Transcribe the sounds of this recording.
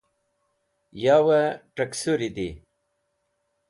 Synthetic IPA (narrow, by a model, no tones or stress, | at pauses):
jɑwaʈəksuɾid̪i